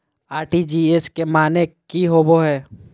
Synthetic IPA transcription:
aːɾʈid͡ʒiːeskemaːnekiɦoboɦɛː

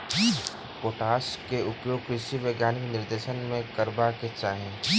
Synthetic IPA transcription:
ki | poːʈaːskeʊpjoːɡ̚kɾɪʃiʋeːɡjaːnɪknɪɾd̪eːʃənmẽkəɾbaket͡ʃaːɦẽ

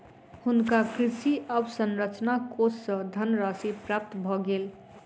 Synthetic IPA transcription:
hunkakɾisiəbsənɾət͡ʃnakossʌd̪ʱənɾasipɾap̚t̪bʱɔɡel

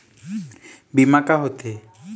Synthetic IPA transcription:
bimakaɦot̪e

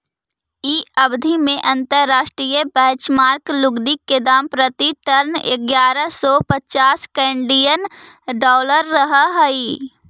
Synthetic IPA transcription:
iəbd̪ʱimẽʔɐ̃nt̪əɾːaːʃʈɾijəbəɦt͡ʃmaːɾklʊɡd̪ikːed̪aːmpɾət̪iʈəɾnɪ̰ɡjaːɾəsɔpətt͡ʃaːskɛ̃ːɳɖijən | ɖɔːləɾːəɦəɦəi

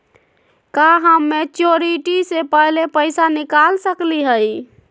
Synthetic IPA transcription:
kaɦəmːet͡ʃoɾiʈisepəɦlepəɪsanikalsəkliɦəj

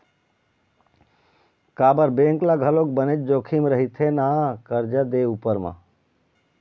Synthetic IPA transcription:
kaːbəɾbẽːŋklaɡʱəloːk̚bənet͡ʃ̚d͡ʒoːkʰimɾəɦit̪ʰenaːkəɾd͡ʒad̪eupəɾmã̰

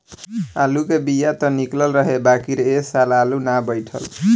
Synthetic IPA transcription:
alukebijat̪ʌniklʌlɾʌɦebakiɾʌesalalunabʌjʈʰʌ̰l

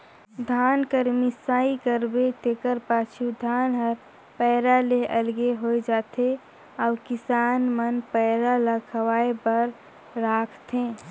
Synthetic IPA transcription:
d̪ʱaːnkəɾmisaːikəɾbet̪ekəɾpaːt͡ʃʰud̪ʱaːnɦəɾ | pəːɾaleʔəlɡeɦoed͡ʒaːt̪e | aːkɪsaːnmənpɛɪɾaləkʰəwaːebəɾ | ɾaːkʰt̪ʰẽ

